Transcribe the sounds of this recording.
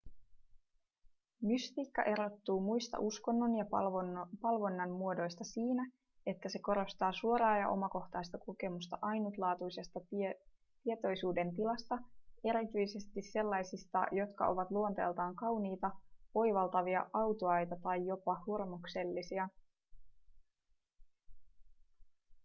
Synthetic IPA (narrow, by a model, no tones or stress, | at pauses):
myst̪iːkːɑʔe̞ɾo̞t̪ːuːmujst̪ɑ̰ʔusko̞nːo̞njɑ | pɑlʋo̞nːɑmmuo̞do̞jst̪ɑsiːnæ | e̞t̪ːæse̞ko̞ɾo̞st̪ɑːsuoɾɑːjɑʔo̞̰mɑko̞xt̪ɑjst̪ɑkoke̞must̪ɑʔɑjnut̪lɑːt̪ujse̞st̪ɑ | t̪ie̞t̪o̞jsuːde̞nt̪ilɑst̪ɑe̞ɾit̪yjse̞st̪isse̞lːɑjsist̪ɑ̰jo̞t̪kɑ̰ʔo̞ʋɑt̪luo̞nt̪ḛlt̪ɑːŋkɑwniːt̪ɑʋo̞jʋɑlt̪ɑʋiɑʔɑwt̪oɑjt̪ɑt̪ɑjːo̞pɑhurmokse̞lːisiɑ